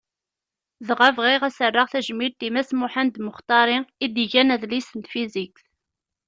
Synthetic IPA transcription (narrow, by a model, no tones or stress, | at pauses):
ðʁævʁiʁæsərːəʁθæʒmiɾt̪imæsmʊħand̪məχt̪ˤɑɾˤiid̪iʝænæðlisənt̪fizikθ